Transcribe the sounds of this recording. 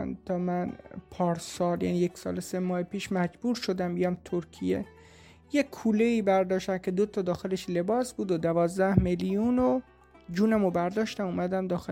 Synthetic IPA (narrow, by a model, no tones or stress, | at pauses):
nt̪ʰɒːmænpʰɒːɾsɒːljæ̰nijeksɒ̰ːlesemɒːhepiːʃmæd͡ʒbuːɾʃod̪æmbijɒmt̪ʰoɾkʰijḛ | jekʰuːleiːbæɾd̪ɒːʃt̪æmcʰe̞d̪ot̪ʰɒːd̪ɒːxe̞le̞ʃle̞bɒːsbuːd̪od̪ævɒːzd̪æhmelijuːno | d͡ʒuːnæmobæɾd̪ɒːʃt̪æmuːmæd̪æmd̪ɒːxe